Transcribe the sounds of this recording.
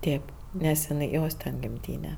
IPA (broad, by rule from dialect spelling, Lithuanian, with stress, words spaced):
ˈtʲeːp nʲɛs ɪˈnɐɪ ˈjoːs tʲɛn ɡʲɪmʲˈtʲiːnʲɛ